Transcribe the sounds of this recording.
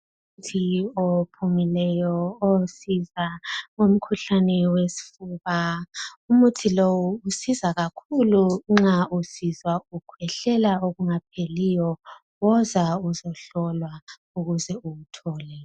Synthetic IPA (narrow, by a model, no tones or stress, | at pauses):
u | mutʰiopʰumilɛjɔosizaŋom̩kʰuɬanɛwesi̥fuːβaumutʰilowuːsizaɣakʰuluŋ͡ǁausizwaukʰwɛɬɛlaoɣuŋap̚ʰelijɔ | ɔzauzɔɬɔlwa | uɣuzɛuwutʰɔːlɛ